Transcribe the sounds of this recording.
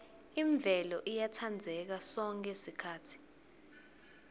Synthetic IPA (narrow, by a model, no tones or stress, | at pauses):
iɱb̪vʱɛlɔʔijatʰand͡zʱɛk̬asɔŋkʼɛsikʰaːtʰi̥